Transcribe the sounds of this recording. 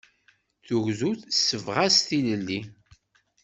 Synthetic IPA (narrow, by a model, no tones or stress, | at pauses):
θuʝzuθsːəvʁast̪iləlːi